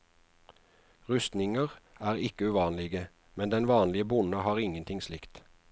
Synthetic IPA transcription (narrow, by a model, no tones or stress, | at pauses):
ʁʉst̪nɪŋəʁæːʁɪkəʉːʋɑːnlɪɡə | mɛnd̪ɛnʋɑːnlɪəbʊnəhɑːʁɪŋənt̪ʰɪŋslɪkt̪